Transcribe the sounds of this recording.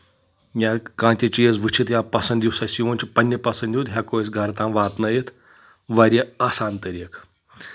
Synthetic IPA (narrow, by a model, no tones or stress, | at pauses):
mʲaːkãːnt̪ʲit͡ʃijɐzʋɨt͡ʃʰit̪japɐsɐnd̪juwsɐsiʋonʲt͡ʃipɐnʲːɐpɐsɐnd̪jut̪ɦʲaːkoːjisɡʱɐɾt̪ãːnʋaːt̪nɐjit̪ʰ | ʋɐɾʲeaːsaːnt̪ɐɾʲik